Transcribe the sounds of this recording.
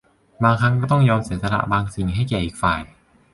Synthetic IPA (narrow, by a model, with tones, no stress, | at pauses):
baː˧ŋkʰɾa˦˥ŋkɔː˥˩t̪̬ɔ˥˩ŋjɔː˧mseː˨˩˦t̪̚sa˧a̰˧˩ʔbaː˧ŋsi˨˩ŋɦa˥˩jkɛː˨˩ʔiː˨˩k̚faː˨˩j